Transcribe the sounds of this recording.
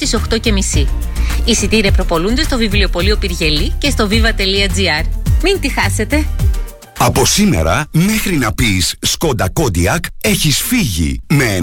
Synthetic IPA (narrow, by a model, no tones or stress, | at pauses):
iso̞xt̪o̞ce̞misi | isit̪iɾepɾo̞po̞lund̪e̞st̪o̞vivlio̞po̞lio̞piɾʝe̞lice̞st̪o̞vivɐt̪e̞liɐd͡ziɐɾmint̪ixɐse̞t̪e̞ | ɐpo̞sime̞̰ɾɐme̞xɾinɐpisːko̞nd̪ɐko̞d̪iɐke̞çisfiʝḭmee